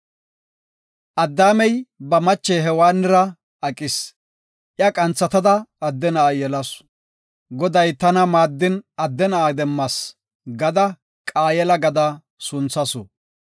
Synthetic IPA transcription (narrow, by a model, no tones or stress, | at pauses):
ʔɐd̪ːaːmɛjbɐmɐt͡ʃːɛɦɛwaːnːɪɾɐ | ɐkʼɪs | ʔjɐkʼɐnt͡sːɐt̪ɐd̪ɐːd̪ːɛnɐajɛlɐs | ɡɔd̪ɐjt̪ɐnɐmaːd̪ːɪnɐd̪ːɛnɐad̪ɛmːɐs | ɡɐd̪ɐ | kʼaːjɛlɐɡɐd̪ɐ | sʊnt͡sːɐsɔ̰